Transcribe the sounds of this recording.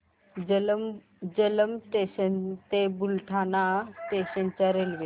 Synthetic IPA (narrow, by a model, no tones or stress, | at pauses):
l | d͡ʑələmteət̪ebulʈʰanat̪eɕənt͡ɕaɾelʋe